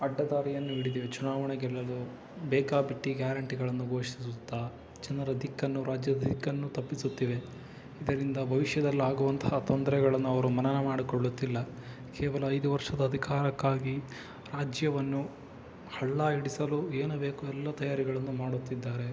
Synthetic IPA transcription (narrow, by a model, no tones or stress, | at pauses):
ɐɖːɐd̪aːɾijɐnːuiɽid̪iʋet͡ʃunaːʋɐɳɛɡɛlːɐlu | bɛːkaːbiʈːiɡjaːɾɐɳʈiɡɐɭɐnːuɡo̞ːʃiisut̪ːaː | t͡ʃɛnɐɾɐd̪ikːɐnːuɾaːd͡ʒjɐd̪ɐd̪ikːɐnːut̪ɐpːisut̪ːiʋe | id̪ɐɾind̪ɐbʱɐʋiʂjɐd̪ɐlːiaːɡuʋɐnt̪ɐ̥hɐt̪ɔnd̪ɐɾɛɡɐɭɐnːuɐʋɐɾumɐnɐnemaːɽikoɭːut̪ːilːɐ | kʰɛːʋɐlɐɐjd̪uʋɐɾʂɐd̪ɐːd̪ʱikaːɾɐkːaːɡi | ɾaːd͡ʒjɐʋɐnːu | hɐɭːaiɽisɐlue̞ːnube̞ːkuɛlːɐt̪ɐjaːɾiɡɐɭɐnːumaːɽut̪ːid̪ːaːɾe̞